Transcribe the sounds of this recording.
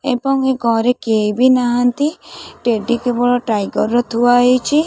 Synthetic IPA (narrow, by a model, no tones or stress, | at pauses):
ebɔŋeɡɔɾekejbinaɦant̪iʈeɖikebɔɭɔʈɾajɡɔɾːɔt̪ʰuwaɦejt͡ʃʰi